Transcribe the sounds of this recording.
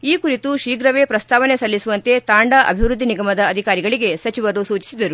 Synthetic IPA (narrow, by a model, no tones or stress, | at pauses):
iːkuɾit̪uʃiːɡɾɐʋeːpɾɐst̪ʰaːʋɐnesɐlːisuʋɐnt̪e̞t̪aːɳɖɐʔɐ̰bʱiʋɾud̪ːiniɡɐmɐd̪ɐːd̪ʱikaːɾiɡɐɭiɡe̞sɐt͡ʃiʋɐɾːusuːt͡ʃi̥sid̪ɐɾu